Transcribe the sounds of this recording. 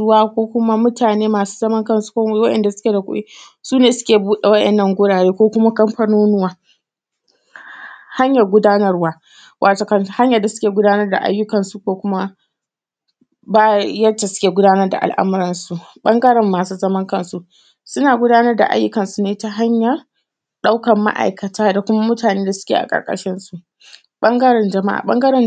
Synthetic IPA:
ʊ˦waː˦kʷoː˦kʷʊ˦ma˦mʊ˦tʰaː˨neː˦maː˨su̥ː˦zɐ˦mɐ˦ŋkɐ˦nsu̥˦kʷo˦wɐ˦ʔɛ̰˨nda˨sʊ̥˦kʲe˨da˨kʷʊ̰˦ʔḭ˦ | suː˦neː˨sʊ̥˦kʲeː˨buː˦ɗe˨wɐ˦ʔɛ˨nːɐ˦˨ŋɡʷʊ˦ɽaː˨ɽeː˦kʷoː˦kʷʊ˦ma˦kɐ˦mɸɐ˦noː˦nʊ˦waː˦ | ha˦ɲjɐ˨ɡʷʊ˦daː˦nɐ˦rwaː˦ | wʔaː˨toː˨kɐ˦n˨ha˦ɲjɐ˨da˨sʊ̥˦kʲeː˨ɡʷʊ˦daː˦nɐ˦rda̰˨ʔa̰˦jːʊ˦kɐ˨nsu˦kʷoː˦kʷʊ˦ma˦ | baː˦jɐ˦ta˨sʊ̥˦kʲeː˨ɡʷʊ˦daː˦nɐ˦rda̰˨ʔa̰˨lʔa̰˦mʊ˦ɾɪ˨nsu˦ʔɓɐ˦ŋɡɐ˦ɾɪ˨mːaː˨suː˦zɐ˦mɐ˦ŋkɐ˦nsu˦ʔ | sʊ˦naː˨ɡʷʊ˦daː˦nɐ˦rda̰˨ʔa̰˦jːʊ˦kɐ˨nsu˨neː˦ta˦ɦa˦ɲjɐ˨ | ɗa˦wkɐ˨mːa̰˦ʔa̰˨jkɐ˨tʰaː˦da˨kʷʊ˦ma˦mʊ˦taː˨neː˦da˨sʊ̥˦kʲḛː˨ʔa̰˨kʼɐ̰˨ɾkʼɐ̰˨ʃɪ˦nsu˦˨ʔ | ɓɐ˦ŋɡɐ˦ɾɪ˨nd͡ʒɐ˨ma˦ʔa̰ː˨ɓɐ̰˦ŋɡɐ˦ɾɪ˨n

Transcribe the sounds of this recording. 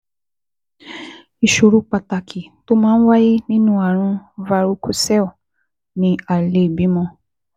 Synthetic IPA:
i˨ʃu˨ɾu˨˦k͡pa˨ta˨kʰi˨to˦mãː˦n̩˦wa˦ji˦nĩ˦nũ˦a˨ɾ̃ũ˧va˧ɾu˦kʰu˦sɛ˦u˨ | nĩ˧a˨le˦˨bi˨˦mɔ̃˧˦

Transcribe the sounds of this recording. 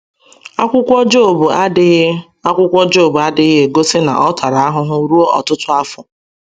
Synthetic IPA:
a˦kʷʊ˦kʷd͡ʒo˦˨b | a˦kʷʊ˦kʷɔ˦d͡ʒo˦˨bʊ˨a˦dɪ˦ɣɪ˦e˨ɡo˦sɪ˦na̰˨ʔɔ˦tʰa˨ɾa˨a˦ɦʊ˦ɦʊ˦ɾu˦o˦ʔɔ˨tʊ˦tʊ˦a˦fʊ˨

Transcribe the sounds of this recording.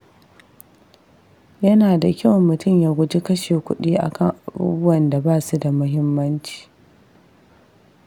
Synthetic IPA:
jɐ˦naː˨da˨kʲa˦wmːʊ˨tʊ˦˨mjaː˦ɡʷʊ˦d͡ʒi˦kɐ˦ʃeː˨kʷʊ˦ɗiː˦ʔa̰˨kʰɐ˦˨ŋʔa˨bṵː˦bʊ˦wɐ˨nda˨baː˦˨su˦da˨mʊ˦ɦɪ˦mːɐ˦nt͡ʃi̥ː˨

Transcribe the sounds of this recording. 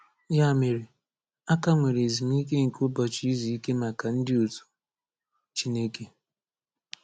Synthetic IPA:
ja˦˨me˨ɾe˨ | a˦ka˦ŋʷe˨ɾe˨zi˨m˦i˦k̬e˦ŋ̩˨ko˦bɔ˨t͡ʃi˦zi˨i˦ke˦ma˨ka˨n̩˦dɪ˦o˨tu̥˨ | t͡ʃi˦ne˦ke˨

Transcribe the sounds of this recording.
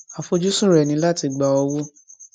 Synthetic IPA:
a˨fo˧d͡ʒu˦sũ˦˨ɾɛ˨nĩ˧˦la˦ti˧ɡ͡ba˨ɔ˧wo˦

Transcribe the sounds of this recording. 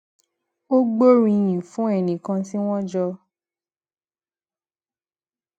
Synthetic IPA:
o˦ɡ͡bo˦ɾĩ˧jĩ˨fũ˨˦ɛ˦˨nĩ˨kã˧si˦w̃ɔ̃˦d͡ʒɔ˧

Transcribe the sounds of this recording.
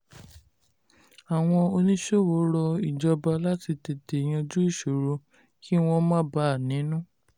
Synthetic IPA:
a˨w̃ɔ̃˧o˧nĩ˦ʃo˦˨wo˨˦ɾɔ˧i˨d͡ʒɔ˧ba˧la˦ti˧te˨te˨j̃ã˧d͡ʒu˦i˦˨ʃo˨ɾo˧ | kʰi˦w̃ɔ̃˧mã˦ba˦a˨nĩ˨˦nũ˦

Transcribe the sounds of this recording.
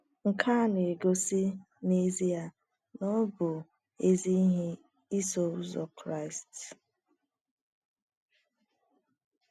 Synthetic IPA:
ŋ̩˨kʰa˦ne˨ɡo˦si˦ | ne˦zi˦ja˦˨ | nɔ˦bʊ˨ | e˦zi˦ɦe˦ | i˦so˨ʊ˦zɔ˨kɾa˦ɪ˨st

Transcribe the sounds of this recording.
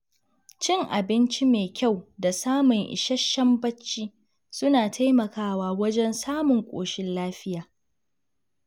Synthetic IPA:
t͡ʃɪ˦ŋʔa˨bɪ˦nt͡ʃi˦meː˨kʲa˦˨wda˨saː˦mʊ˨ŋʔɪ̰˨ʃɐ˦ʃːɐ˦mbɐ˦t͡ʃːiː˦ | sʊ˦naː˨tʰa˦jmɐ˨kaː˦waː˦wɐ˦d͡ʒɛ˦nsaː˦mʊ˨ŋkʷʼo̰ː˨ʃɪ˦nlaː˦ɸɪ˦jaː˨

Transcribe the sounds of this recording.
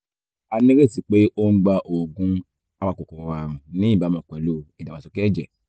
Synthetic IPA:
a˧nĩ˦ɾe˦˨si˨k͡pe˨˦ʔo˦n̩˦ɡ͡ba˧ʔo˨ɡũ˧˦ | a˧wa˧ko˨kɔ̃˨wa˨ɾũ˨nĩ˨˦i˦˨ba˨˦mã˨˧˨kɛ˨lo˦˨i˨da˨a˨so˧kɛ˦d͡ʒɛ˨

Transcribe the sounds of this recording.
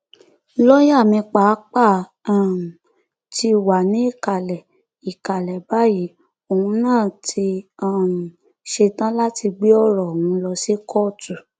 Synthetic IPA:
lɔ˦ja˦˨mĩ˧k͡pa˨˦k͡pa˦˨ | a˦˨m˨ | ti˧wa˨nĩ˨˦i˦˨ka˨lɛ˨ | i˨ka˨lɛ˨ba˦ji˨˦ | o˨hũ˧nãː˦˨tʰi˧a˦˨m˨ | ʃe˧tã˦la˦ti˧ɡ͡bi˦ɔ˦˨ɾɔ˨hũ˨˧lɔ˧si˦kʰɔ˦˨tu˨

